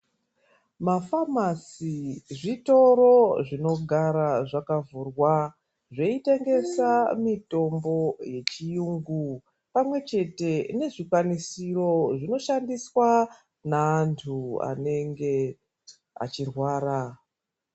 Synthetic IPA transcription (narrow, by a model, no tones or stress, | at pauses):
mafamasiʐito̞ɾo̞ʐino̞ɡʱaɾaʐakavurwa | ʐe̞ite̞ŋɡe̞samito̞mbo̞je̞t͡ʃijuːŋɡu | pamwe̞t͡ʃe̞te̞ne̞ʐikwanisiro̞ʐino̞ʃandiswa | naːntʰua̰ne̞ŋɡe̞ | a̰t͡ʃirwaːɾa